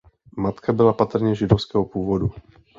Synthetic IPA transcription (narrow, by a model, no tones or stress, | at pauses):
mat̪kʰabɪlapat̪r̩ɲɛʒɪdofskɛːɦopuːvodu